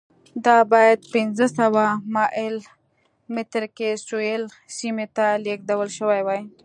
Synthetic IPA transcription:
d̪ɑbɑjad̪̚pɪnzəsawamɑʔɪl | mɪt̪ɾkesoel | simet̪alek̚d̪awəlʃəwajwaj

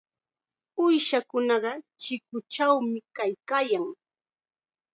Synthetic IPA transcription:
ʊjʃakʊnɑɢɑt͡ʃɪkʊt͡ʃawmɪkajkaːjaŋ

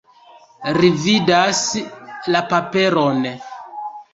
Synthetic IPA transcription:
ɾividaslapapeɾon

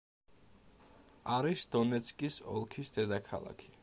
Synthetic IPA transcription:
aɾisd̪̥ɔnɛt̪sʰkʼisɔ̰lˠkʰisd̪ɛd̪akʰa̰lˠa̰kʰi̥

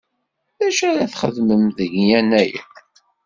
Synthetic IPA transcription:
ðæʃæɾæθχəðməmðəʝjænæjæ̰

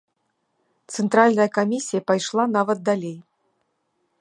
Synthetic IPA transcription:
t̪sɨnt̪ɾalʲnɐjɐkamʲisʲːijɐpajʂlˠanavɐt̪̚d̪alʲej

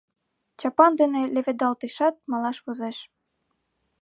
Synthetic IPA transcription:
t͡ɕɑpɑnd̪enĕleβed̪ɑlt̪eʃɑt̪̚mɑlɑʃβozeʃ

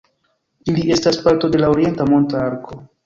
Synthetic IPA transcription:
iliestaspaɾt̪o̞d̪e̞laoɾije̞nt̪amont̪aɾko

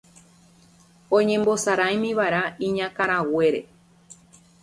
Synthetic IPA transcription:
õɲẽ̞mbo̞saɾajmĩʋaɾaĩɲãkaɾ̃awe̞ɾe̞̰

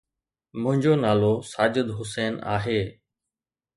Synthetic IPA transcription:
mʊ̃ɦɪ̃ɲd͡ʑoːnaːlosaːd͡ʑəd̪ɦʊsɛːna̰ːɦeː

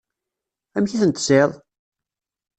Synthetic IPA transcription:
æmçiθənt̪seðˤ

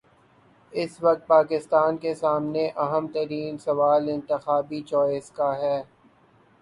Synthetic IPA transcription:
ɪsʋɐk̚t̪̚paːkɪst̪aːnkesaːmneʔɐɦəmt̪ɐɾiːnsɐʋaːlɪ̃nt̪ɪxaːbit͡ʃɔːɪzkaɦɛː

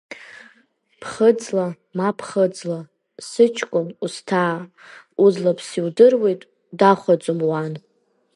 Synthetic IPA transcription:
pʰχəd͡zla | mapʰχəd͡zla | sɨt͡ʃʰkʷʼʊmustʰaː | uzlapʰsiwdɨrwe̞jtʼ | daχʷad͡zʼomwan

